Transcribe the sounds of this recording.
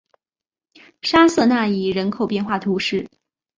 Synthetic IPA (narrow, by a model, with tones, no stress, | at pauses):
ʂa˥sɤ˥˧na˥˩i˨˩ɻə˧˥nkʰo˨˩ʊpjɛ˥˧nxwa˥˩t̪ʰu˧˥ʂɻ̩˥˩